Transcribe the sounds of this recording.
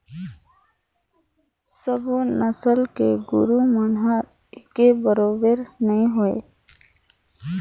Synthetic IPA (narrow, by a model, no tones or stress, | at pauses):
səbonəsəlkeɡʊɾumənɦəɾ | ɪkebəɾoːbəɾnɐɦĩɦoḛː